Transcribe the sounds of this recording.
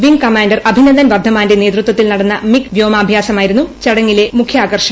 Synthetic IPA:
ʋiŋkɐmaːndɐrɐbʱinɐnd̪ɐnʋɐrd̪ʱːɐmaːndeneːt̪rut̪wɐt̪ːilnɐɽɐnːɐmikʋjoːmaːbʱjaːsɐmaːjiɾunːut͡ɕɐɽɐŋːile̞mukʰjaːɡɐrʂɐ

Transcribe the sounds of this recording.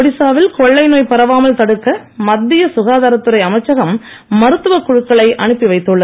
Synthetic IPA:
ɔɽɪsaːʋɪlkɔɭːɐɪnoːjpɐɾɐʋaːmɐlt̪ɐɽɯkːɐ | mɐd̪ːɪjɐsʊɣaːðaːɾɐt̪ːɯɾɐɪɐmɐɪt͡ʃːɐɣɐmː | ɐɾɯt̪ːɯʋɐkːʊɻɯkːɐɭɐɪʔɐɳɯpːiʋɐɪt̪ːɯɭːɐ

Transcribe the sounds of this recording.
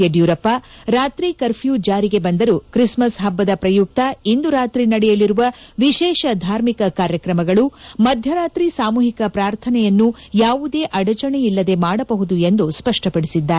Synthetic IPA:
ɐɖjuːɾɐpːɐɾaːt̪ɾikɐɾpʰjuːd͡ʒaːɾiɡe̞bɐnd̪ɐɾukɾismɐsɦɐbːɐd̪ɐpɾɐjuk̚t̪ɐind̪uɾaːt̪ɾinɐɽɛjɐliɾuʋɐʋiʃɛːʃɐd̪ʱaːɾmikɐkaːɾjɐkɾɐmɐɡɐɭumɐd̪ʱjɐɾaːt̪ɾisaːmuːɦikɐpɾaːɾt̪ʰɐnɛjɐnːujaːʋud̪e̞ːʔɐɽɐt͡ʃɐɳeilːɐd̪e̞maːɽɐbɐɦud̪ue̞nd̪uspɐʂʈɐpɐɽisid̪ːaːɾ

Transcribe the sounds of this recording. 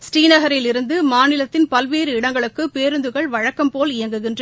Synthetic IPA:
sʈiːnɐɣɐɾɪlɪɾɯnd̪ɯmaːnɪlɐt̪ːɪnpɐlʋeːɾɯɪɽɐŋɡɐɭɯkːɯpeːɾɯnd̪ɯɣɐɭʋɐɻɐkːɐmpoːlɪjɐŋɡɯɣɪndrɐ

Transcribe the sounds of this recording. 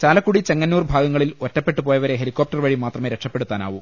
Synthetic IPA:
t͡ɕaːlɐkːuɽit͡ɕeŋːɐnːuːrbʱaːɡɐŋːɐɭilotːɐpːe̞ʈːɨpoːjɐʋɐɾe̞ɦe̞likːop̚tɐrʋɐɻimaːt̪rɐme̞ːɾekʂɐpːeɽut̪ːaːna̰ːʋum

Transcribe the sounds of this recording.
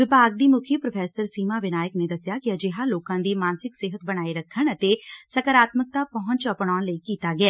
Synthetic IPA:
ʋɪpaːɡ̚d̪iːmʊkʰjipɾəpʰɛːsəɾsiːmaːʋɪnaːjəkneːd̪əsjaːkɪəd͡ʒɪɦaːloːkãːd̪iːmaːnsɪksɪɦət̪̚bəɽ̃aːiɾəkʰːəɳət̪eːsəkəɾaːt̪mək̚t̪aːpəɦʊ̃ɲt͡ʃəpɽ̃aːnləiːkiːt̪aːɡɪɛː

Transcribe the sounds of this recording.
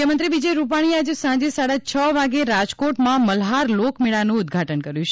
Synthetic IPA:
əmənt̪ɾiʋid͡ʒəjɾup̬aɽ̃iad͡ʒesãd͡ʒesaɽat͡ʃʰəʋaɡeɾad͡ʒkoʈmãməlɦaɾlokmiɭanũʊd̪ɡʱaʈənkəɾjũt͡ʃʰ

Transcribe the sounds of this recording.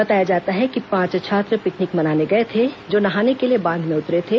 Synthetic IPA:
bɐt̪aːjad͡ʒaːt̪aɦɛkipãːt͡ʃt͡ʃʰaːt̪ɾəpɪknɪkmɐnaːneɡɐet̪ʰed͡ʒoːnɐɦaːnekeliebãːnd̪ʱmẽʊt̪ɾet̪ʰe

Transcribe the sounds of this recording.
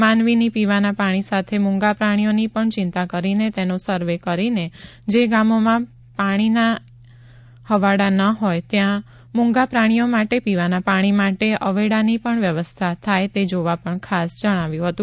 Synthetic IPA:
manʋinipiʋanapaɽ̃isat̪ʰemʊ̃ŋɡapɾaɽ̃ijonipəɳt͡ʃɪnt̪akəɾinet̪enosəɾʋekəɾined͡ʒeɡamomã | paɽ̃ina | həʋaɽanəɦojt̪jã | mũŋɡapɾaɽ̃ijomaʈepiʋanapaɽ̃imaʈeʔəʋeɽanipəɳʋjəʋəst̪ʰat̪ʰajt̪ed͡ʒoʋapəɳkʰasd͡ʒəɽ̃aʋjũɦət̪ũ

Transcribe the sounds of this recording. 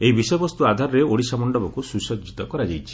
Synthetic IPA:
eibisɔjɔbɔst̪uad̪ʱaɾɔɾeoɽisamɔɳɖɔbɔkususɔd͡ʒit̪ɔkɔɾad͡ʒajt͡ʃʰi̥

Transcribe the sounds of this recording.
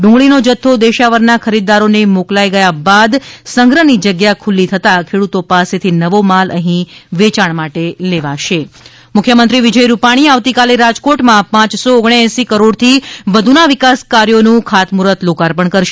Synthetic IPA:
ɖũŋɡɭinod͡ʒət̪ʰːod̪eʃaʋəɾnakʰəɾid̪aɾonemoklajɡəjabad̪səŋɡɾənid͡ʒəɡjakʰulːit̪ʰət̪akʰeɽut̪opaset̪ʰinəʋomaləɦĩʋet͡ʃaɳmaʈeleʋaʃe | mʊkʰjəmənt̪ɾiʋid͡ʒəjɾupaɽ̃iaʋt̪ikaleɾad͡ʒkoʈmãpãt͡ʃsoːɡɳ̃jɛ̃sikəɾoɽt̪ʰiʋəd̪ʱunaʋɪkaskaɾjonũkʰat̪muɾət̪lokaɾpəɳkəɾʃe

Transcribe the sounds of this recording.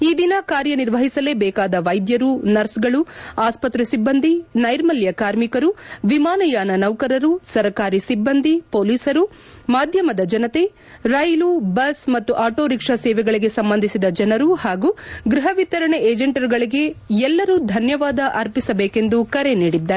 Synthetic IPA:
iːd̪inɐkaːɾjɐniɾʋɐɦisɐle̞ːbɛːkaːd̪ɐʋɐjd̪jɐɾunɐɾsɡɐɭuaːspɐt̪ɾɐsibːɐnd̪ʱinɐjɾmɐljɐkaːɾmikɐɾuʋimaːnɐjaːnɐnɐʋkɐɾɐɾusɐɾɐkaːɾisibːɐnd̪ʱipoːliːsɐɾu | maːd̪ʱjɐmɐd̪ɐd͡ʒɐnɐt̪e̞ | ɾɐjlubɐsmɐt̪ːuʔaːʈo̞ːɾikʂɐsɛːʋɛɡɐɭiɡe̞sɐmbɐnd̪ʱisid̪ɐd͡ʒɐnɐɾuhaːɡuːɡɾiɦɐʋit̪ːɐɾɐɳeeːd͡ʒeɳʈɐɾɡɐɭiɡe̞ɛlːɐɾuːd̪ʱɐnjɐʋaːd̪ɐʔɐɾpisɐbeːke̞nd̪ukɐɾe̞niːɽid̪ːaːɾe

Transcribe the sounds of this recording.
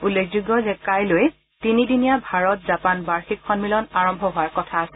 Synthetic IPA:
ulːekʰzuɡɔzɛkajloj | tinidinijabʱaɹɔt̚zapanbaɹxikxɔnmilɔnaɹɔmbʱɔɦʊaɹkɔtʰaːsɛ

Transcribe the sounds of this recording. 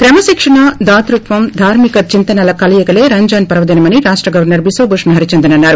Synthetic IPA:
kɾɛmɐsikʂɐɳɐd̪aːt̪ɾut̪ʋɐmd̪ʱaːɾmikɐt͡ʃint̪ɐnɐlɐkɐlɐjɐkɐleːɾɐɲd͡ʒaːnpɐɾɐʋɐd̪inɐmɐniɾaːʂʈɾɐɡɐʋɐɾnɐɾbisoːboʂɐnɐɦɐɾit͡ʃend̪inɐnːaːɾu

